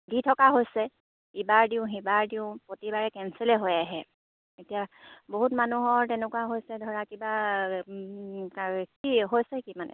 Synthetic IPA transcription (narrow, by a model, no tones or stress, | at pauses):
ditʰɔkaɦojsɛ | ibaɹdiʊ̃ɦibaɹdiʊ̃potibaɹɛkɛnsɛlɛɦojaɦɛ | etijaboɦutmanuɦɔɹtɛnɛkuwaɦojsɛdʱɔɹakiba | kakiɦojsɛkimanɛ̰